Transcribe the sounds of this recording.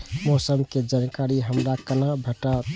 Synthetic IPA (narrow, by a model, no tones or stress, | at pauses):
mɔsəmked͡ʒankaɾiɦəmɾakənabʱəʈa